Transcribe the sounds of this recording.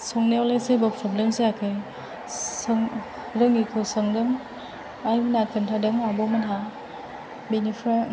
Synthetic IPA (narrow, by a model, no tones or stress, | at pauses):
sɔŋnewlesebɔpʰɾɔblemseakʰaj | sɯŋ | ɾɯŋikʰɯsɯŋdɯŋ | ajmɯnakʰɯntʰadɯŋabɔmanɦa | binifʰɾa